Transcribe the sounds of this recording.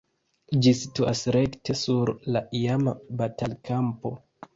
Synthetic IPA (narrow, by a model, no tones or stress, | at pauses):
d͡ʒisituasɾekte̞suɾlaʔiamabatalkʰampo̞